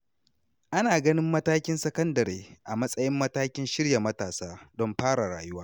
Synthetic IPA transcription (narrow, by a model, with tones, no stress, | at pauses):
ʔa˦naː˨ɡɐ˦nɪ˦mːɐ˦taː˦kʲɪ˦nsɐ˦kɐ˦ndɐ˨ɾeː˨ʔa˨mɐ˦sʼɐ˦jɪ˦mːɐ˦taː˦kʲɪ˦nʃɪ˦ɽja˨mɐ˦taː˨saː˦dɔ˦mɸaː˦ɽa˨ɽa̰ː˨jʊ˦waː˦